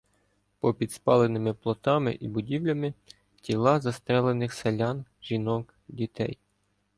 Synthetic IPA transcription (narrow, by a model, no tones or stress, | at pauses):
pɔpʲid̪spɑlˠenɪmɪplˠɔt̪ɑmɪ̰ʔibʊdʲiwlʲɐmɪ | tʲilˠɑzɐst̪ɾɛlˠenɪxselʲɑnʒʲinɔk | dʲit̪ɛ̰j